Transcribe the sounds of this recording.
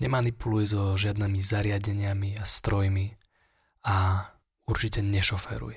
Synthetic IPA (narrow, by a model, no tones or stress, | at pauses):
ɲɛmanipulujɛzɔʒɪad̪nɛːmizaɾɪaɟɛɲɪamiast̪ɾɔjmi | a | uɾt͡ʃicɛɲɛʃɔfɛ̰ɾṵjɛ